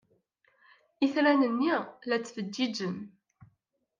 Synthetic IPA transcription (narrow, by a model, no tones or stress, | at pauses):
iθɾænənːilæt͡sːvəd̪ːid͡ʒən